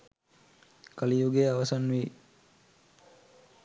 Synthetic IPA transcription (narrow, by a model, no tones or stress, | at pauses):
kalijuɡeaʋasanʋi